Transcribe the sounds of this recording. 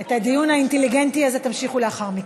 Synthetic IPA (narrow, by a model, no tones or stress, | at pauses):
et̪had̪ijunaint̪eliɡent̪iazet̪amʃiχuleaχaʁmik